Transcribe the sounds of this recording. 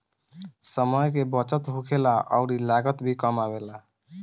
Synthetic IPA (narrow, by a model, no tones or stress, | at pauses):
səməjkebət͡ʃət̪ɦukʰelaʔɔ̰ʊɾilaɡət̪bʱikəmabela